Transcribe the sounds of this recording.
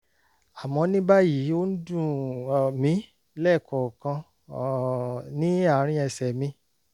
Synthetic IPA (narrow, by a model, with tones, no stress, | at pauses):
a˨mɔ̃˧nĩ˦ba˦ji˨˦o˦n̩˦dũ˦˨mĩ˨˦ | lɛ˦˨kʰɔ˨kã˧˨ | nĩ˨˦a˦˨˦ɾ̃ĩ˧ɛ˧˨sɛ˨mĩ˧